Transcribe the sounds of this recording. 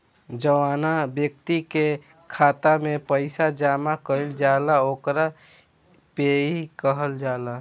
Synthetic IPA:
d͡ʒəʋaːnabjəkt̪ike | kʰaːt̪amẽpəɪsad͡ʒaːmakəld͡ʒaːlaoːkɾa | peːikəɦəld͡ʒaːla

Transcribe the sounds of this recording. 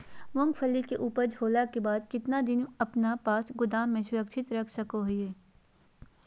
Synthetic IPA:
mʊ̃ŋɡpʰəlːikeʔuːpəɾd͡ʒʱoːlakebaːd̪kɪt̪nad̪ɪnɐpnapaːsɡʊd̪aːmːẽsʊɾəkʃʰɪt̪ɾɐkʰsɐkoɦʊjeː

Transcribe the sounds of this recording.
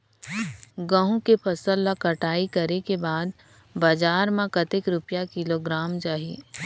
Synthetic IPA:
ɡə̃ɦũkepʰɐsəlːakɐʈaːikɐɾekebaːd̪ | bad͡ʒaːɾmãkɐt̪ɪkɾʊpjakɪloɡɾaːmd͡ʒaːɦḭː

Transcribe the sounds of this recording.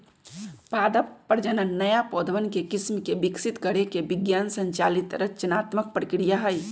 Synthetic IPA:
pad̪əppːəɾd͡ʒənənːəjapɔd̪ʱʋənkekismkebiksit̪kəɾekebiɡjansəɲt͡ʃalit̪ɾət͡ʃənat̪mək̚pɾəkɾijaɦəj

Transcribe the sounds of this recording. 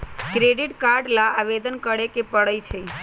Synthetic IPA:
kɾeɖiʈkaɾɖlaːʋed̪ənkəɽekepəɭəjt͡ʃʰe

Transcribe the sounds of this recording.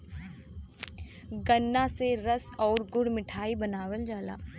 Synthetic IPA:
ɡənːãseɾɐsɔːɾɡʊɽmɪʈʰaːibɐnaːʋəld͡ʒaːla̰ː

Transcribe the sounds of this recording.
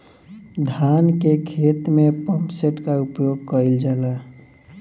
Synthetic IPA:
d̪ʱankekʰet̪mepə̃mpseʈkaupjoɡ̚kəɾild͡ʒaːla

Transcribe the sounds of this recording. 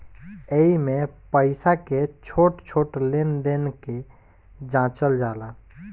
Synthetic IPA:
eimepəɪsaket͡ʃʰoʈt͡ʃʰoːʈlend̪enke | d͡ʒãt͡ʃəld͡ʒaːla

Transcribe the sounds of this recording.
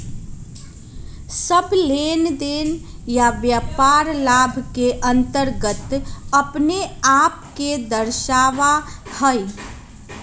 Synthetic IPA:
səbleːnd̪eːnjaʋjaːpaːɾlaːbʱkeʔə̃nt̪əɾɡət̪əpneaːp̚ked̪əɾʃaːʋahəi

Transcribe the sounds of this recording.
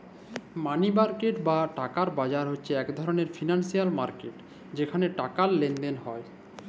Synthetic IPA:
manimaɾkeʈbaʈakaɾbad͡ʑaɾɦotːɕʰeɛkd̪ʱɔɾoneɾfinansijalmaɾkeʈ | d͡ʑekʰaneʈakaɾlend̪enɦɔe

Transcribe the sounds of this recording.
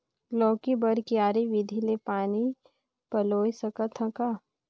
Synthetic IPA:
lɔːkibəɾkiaːɾiʋɪd̪ʱilepaːni | pɐloːjsəkət̪ʰɐ̃kaː

